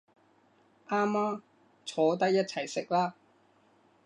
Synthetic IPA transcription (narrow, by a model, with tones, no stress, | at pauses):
ʔaː˥mːaː˥m | t͡sʰɔː˨˧˥t̪̬ɐ˥k̚jɐ˥t̚t͡sʰɐ˨˩jsɪ˨k̚laː˥